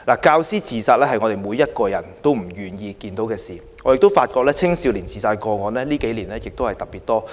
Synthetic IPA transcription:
laː˨˩kaː˧wsiː˥t͡sʰiː˨saː˧t̚lɛː˥hɐ˨jŋɔ˨˧t̪e˨jmuː˨˧jɐ˥t̚kɔː˧jɐ˨˩nt̪o˥wm̩˨˩jyː˨˩njiː˧kiː˧nt̪o˨˥wkɛː˧siː˨˩ | ŋɔː˨˧jɪ˨k̚t̪o˥wfaː˧t̚kɔː˧k̚lɛː˥t͡sʰɪ˥ŋsiː˨˧wliː˨˩nt͡siː˨˩saː˧kɔː˧ŋɔː˨˧nlɛː˥liː˥ke˨˥jliː˨˩nlɛː˥jɪ˨k̚t̪o˥whɐ˨jt̪ɐ˨k̚piː˨˩t̚t̪ɔː˥

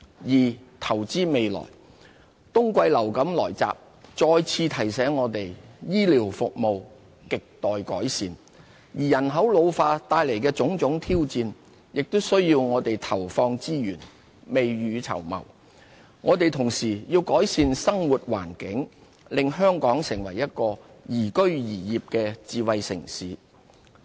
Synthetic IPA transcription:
jiː˨˩t̪ʰɐ˨˩wt͡siː˥me˨˧jlɔ̰ː˨˩j | t̪ʊ˥ŋkʷɐ˧jlɐ˨˩wkɐ˨˥mlɔ̰ː˨˩jt͡sa̰ː˨p̚ | t͡sɔː˧jt͡sʰiː˧t̪ʰɐ˨˩jsɛː˨˥ŋːɔː˨˧t̪e˨jjiː˥liː˨˩wfʊ˨k̚mo˨˧w | kɪ˨k̚t̪ɔː˨jkɔ̰ː˨˥jsiː˧n | jiː˨˩jɐ˨˩nɦɐ˨˥wlo˨˧wfaː˧t̪aː˧jle˨˩jkɛː˧t͡sʊ˨˥ŋt͡sʊ˨˥ŋt̪ʰiː˥wt͡siː˧n | jɪ˨k̚t̪ʊ˥wsɵ˥ɥjiː˧wŋɔː˨˧t̪e˨jt̪ʰɐ˨˩wfɔː˧ŋt͡siː˥jyː˨˩n | me˨jːyː˨˧t͡sʰɐ̰˨˩wmɐ̰˨˩w | ŋʔɔː˨˧t̪e˨jt̪ʰʊ˨˩ŋsiː˨˩jiː˧wkɔː˨˥jsiː˧nsɐ˥ŋwu˨t̚wa̰ː˨˩nkɪ˨˥ŋ | lɪ˨ŋɦœː˥ŋkɔː˨˥ŋsɪ˨˩ŋwɐ̰˨˩jːɐ˥t̚kɔː˧ | jiː˨˩kɵ˥ɥjiː˨˩jiː˨p̚kɛː˧t͡siː˨wɐ˨jsɪ̰˨˩ŋsiː˨˥

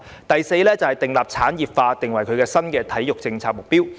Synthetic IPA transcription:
t̪ɐ˨jse˧jlɛː˥t͡sɐ˨˩whɐ˨jt̪ɪ˨˩ŋlaː˨p̚t͡sʰaː˨˥njiː˨p̚faː˧t̪ɪ˨ŋwɐ˨˩jkʰɵ˨˧ɥkɛː˧sɐ˥nkɛː˧t̪ʰɐ˨˥jːʊ˨k̚t͡sɪ˧ŋt͡sʰaː˧k̚mʊ˨k̚piː˥w

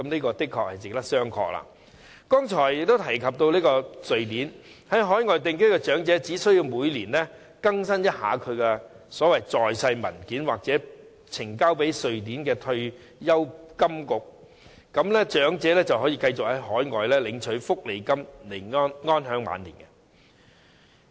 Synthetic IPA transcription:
kɐ˨˦mniː˥kɔː˧t̪ɪ˥kʰːɔː˨k̚hɐ˨jt͡sɪ˨k̚t̪ɐ˥k̚sœː˥ŋkʰɔ̰ː˧k̚la̰ː˧ | kɔː˥ŋt͡ʃʰɔː˨˩jɪ˨k̚t̪o˥t̪ʰɐ˨˩jkʰɐ˨p̚t̪o˧wliː˥kɔː˧sɵ˨ɥt̪iː˨˥nhɐ˨˥jɦɔː˨˥jŋɔː˨jt̪ɪ˨˧ŋkɵ˥kɛ˧t͡ʃœː˨˥ŋt͡sɛː˨˥t͡siː˨˥sɵ˥ji˧wmuː˨˧jliː˨˩nlɛː˥ | kɐ˥ŋs̬ɐ˥njɐ˥t̚ha̰ː˨˥kʰɵ˨˧ɥkɛ˧ | sɔː˨˥wɐ˨jt͡sɔː˨jsɐ˧jmɐ˨˩nkiː˨˥nwaː˨k̚t͡sɛː˨˥ | t͡sʰɪ˨˩ŋkaː˥wpe˨˥jsɵ˨ɥt̪̬iː˨˥nkɛː˧t̪ʰɵ˧ɥ | jɐ˥wkɐ˥mkʊ˨k̚ | kɐ˨˧˥mlɛ˥t͡ʃœː˨˥ŋt͡sɛː˨˥lɛː˥t͡sɐ˨whɦɔː˨˥jiː˧kɐ˧jt͡sʊ˨k̚hɐ˨˥jɦɔː˨˥jŋɔː˨˩jlɛː˥lɪ˨˧ŋt͡ʃʰɵ˨˥ɥfʊ˥k̚le˨˧jkɐ˥mle˨˩jŋɔː˥nŋɔː˥nɦœː˨˥ŋma̰ː˨˧nlḭː˨˩nkɛ˧

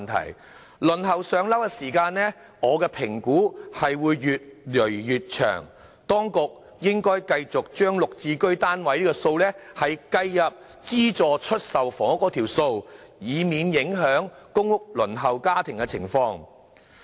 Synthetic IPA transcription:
nt̪ʰɐ̰˨˩j | lɵ˨˩nɦɐ˨˩wsœː˨˧ŋlɐ˨˥wkɛ˧siː˨˩kaː˧nnɛː˥ | ŋɔː˨˧kɛː˧pʰɪ˨˩ŋkuː˨˥hɐ˨jwuː˨˧jːyː˨t̚lɵ˨˩ɥːyː˨t̚t͡ʃʰœ̰ː˨˩ŋ | t̪ɔː˥ŋkʊ˨k̚ | jɪ˥ŋkɔː˥jkɐ˧jt͡sʊ˨k̚t͡ʃœː˥ŋlʊ˨k̚t͡siː˧kɵ˥ɥt̪aː˥nwɐ˨˥jliː˥kɔː˧so˧wlɛː˥hɐ˨jkɐ˧jːɐ˨p̚ | t͡siː˥t͡sɔː˨˧t͡ʃʰɵ˥t̚sɐ˨wfɔː˨˩ŋɐ˥kːɔː˧t̪ʰiː˨˩wso˧w | jiː˨˧miː˨˧njɪ˨˥ŋɦœː˨˥ŋ | kʊ˥ŋwʊ˥k̚lɵ˨˩nɦɐ˨wkaː˥t̪ʰɪ˨˩ŋkɛ˧t͡sʰɪ̰˨˩ŋfɔː˧ŋ

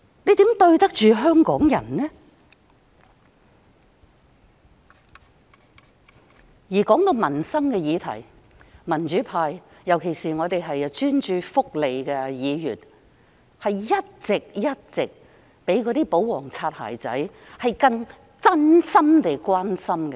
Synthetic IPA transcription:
ne˨˧jt̪iː˨˥mt̪ɵ˧ɥt̪ɐ˥k̚t͡ʃyː˨ɦœː˥ŋkɔː˨˥ŋjɐ̰˨˩nnɛ˥ | jiː˨˩kɔː˨˥ŋt̪o˧wmɐ˨˩nsɐ˥mkɛ˧jiː˨˧t̪ʰɐ̰˨˩j | mɐ˨˩nt͡ʃyː˨˥pʰaː˧j | jɐ˨˩wkʰe˨˩jsiː˨˩ŋɔː˨˧t̪e˨jɦɐ˨jt͡ʃyː˥nt͡ʃyː˧fʊ˥k̚le˨jkɛ˧jiː˨˧jyː˨˩n | hɐ˨jjɐ˥t̚t͡sɪ˨k̚jɐ˥t̚t͡sɪ˨k̚ | pe˨˥jkɔː˨˥t̪iː˥po˨˥wwɔː˨˩ŋt͡sʰaː˧t̚ha̰ː˨˩jt͡sɐ̰˨˥j | hɐ˨jkɐ˧ŋ | t͡sɐ˥nsɐ˥mt̪e˨jkwaː˥nsɐ˥mkɛ˧

